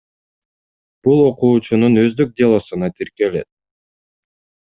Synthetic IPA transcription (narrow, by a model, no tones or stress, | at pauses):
b̥ulˠo̞quːt͡ʃununø̞zd̪øk̚d̪ʲelˠosɯnɑt̪ʰiɾkele̞̰t̪̚